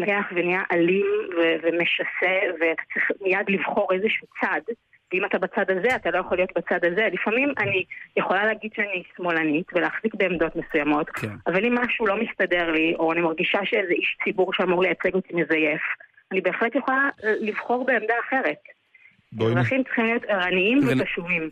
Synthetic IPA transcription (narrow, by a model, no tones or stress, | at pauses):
lakeaχvenijaʔalimvevemeʃaseveat̪ḁt͡sʁiχmijadlivχo̞ʁezeʃuːt͡sad | veimatabat͡sadazeatalo̞jaχolijo̞tbat͡sadaze̞lifamimʔanijeχo̞laleːɡidʃeanismo̞lanitveleːχzikbe̞ːmd̪o̞tmesujamo̞tavalimːaʃulo̞mist̪ade̞ʁliʔo̞animaʁɡiʃaʃeezeiʃt͡sibuʁʃeamuʁlejat͡seɡo̞timezaje̞f | anibeːχletjeχolalivχo̞ʁbeemdaːχe̞ʁe̞t̚ | ʁaχimtt͡sʁ̥i̥χimlijo̞tiʁaniimveaʃuvim